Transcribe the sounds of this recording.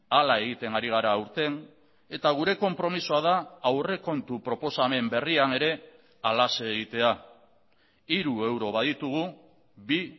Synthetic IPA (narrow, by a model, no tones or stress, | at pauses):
alae̞ɣit̪e̞ŋaɾiɣ̞aɾaːuɾt̪e̞n | e̞t̪aɣ̞uɾe̞ko̞mpɾo̞misoað̞aːwre̞ko̞nt̪upɾo̞po̞same̞mbe̞riane̞ɾe̞ | alaseːɣ̞it̪e̞a | iɾue̞wɾo̞βaðit̪uɣ̞u | bi